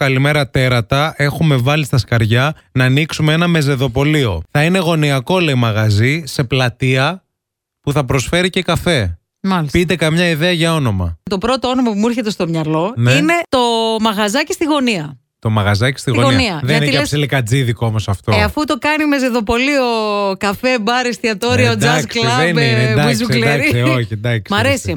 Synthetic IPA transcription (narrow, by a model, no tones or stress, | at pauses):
kɐlime̞ɾɐt̪e̞ɾɐt̪ɐe̞xume̞vɐlist̪ɐskɐɾʝɐ | nɐːniksumeenɐme̞ze̞ðo̞po̞lio̞θɐine̞ɣo̞niɐko̞leimɐɣɐzise̞plɐt̪iɐ | puθɐpɾo̞sfe̞ɾice̞kɐfe̞ | mɐlispit̪̬e̞kɐmɲɐiðeɐʝɐo̞no̞mɐ̰t̪o̞pɾo̞t̪oonomɐpumuiɾçet̪e̞st̪o̞mɲɐlo̞nine̞t̪o̞mɐɣɐzɐci̥st̪iɣo̞niɐ | t̪o̞mɐɣɐzɐci̥st̪iɣioɣoniɐðenineiɐsilikɐd͡ziðikoomosɐft̪oeɐfut̪o̞kɐnimezeðo̞po̞lio̞kɐfe̞bɐɾest̪iɐt̪o̞ɾiɐod͡zɐsklɐenind̪ɐzuld̪ɐɾioçind̪ɐksmɐɾesi